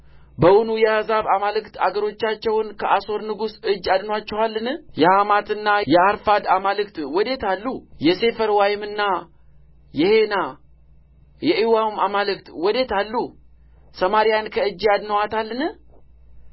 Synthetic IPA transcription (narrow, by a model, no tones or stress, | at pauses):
bəwunujɛhəzaβamalɨkt̪a̰ɡəɾo̞t͡ʃːat͡ʃːɛwnkʰəʔaso̞ɾnɨɡusɨd͡ʒːad̪nwat͡ʃːɛwalːɨnɨjɛhamat̪ɨnːajɛaɾfad̪amalɨkt̪wɔd̪e̞t̪alːujɛse̞fəɾwajɪmɨnːa | jɪhe̞na | jɛʔɨwamamalɨkt̪wɔd̪e̞t̪alːu | səmaɾijankʰəɨd͡ʒːjad̪nəwat̪alːɨnɨ